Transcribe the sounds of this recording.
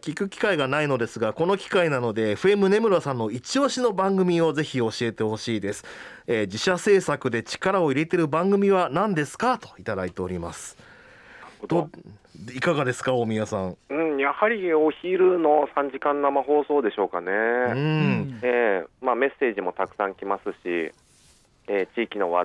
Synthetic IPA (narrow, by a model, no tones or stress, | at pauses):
kʲikɯ̟kʲi̥kaiɡanaino̞d̪e̞sɨɡako̞no̞kʲi̥kainano̞d̪e̞ːɸɯ̟e̞mɯ̟ne̞mɯ̟ɾosãnːo̞it͡ɕio̞ːɕino̞bãŋɡɯ̟mʲio̞ze̞çio̞ɕie̞t̪e̞ho̞ɕiːd̪e̞sɨ̥eːd͡ʑiɕase̞ːsakɯ̟d̪e̞t͡ɕi̥kaɾao̞iɾe̞t̪e̞ɾɯ̟bãŋɡɯ̟mʲiβanãnd̪e̞sɨ̥kat̪o̞̥it̪ad̪ait̪e̞o̞ɾʲima̰sɨ̥ | d̪o | ikaɡad̪e̞sɨ̥kaomʲijasãŋɯ̟̃ɴjahaɾʲioçiɾɯ̟no̞sãɲ̟d͡ʑikãnːamaɦo̞ːso̞ːd̪e̞ɕo̞ːkaneɯ̃eːmaːme̞se̞ːʑimo̞t̪akɯ̟̥sãŋkʲimasɨɕi | eːt͡ɕiːkʲino̞βa